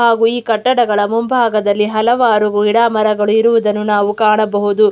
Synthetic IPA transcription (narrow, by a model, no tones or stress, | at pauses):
aːɡuiːkɐʈːɐɽɐɡɐɭɐmumbʱaːɡɐd̪ɐlːiɦɐlɐʋaːɾuɡuiɽaːmɐɾɐɡɐɭuiɾuʋud̪ɐnːunaːʋukaːɳɐbɐɦud̪u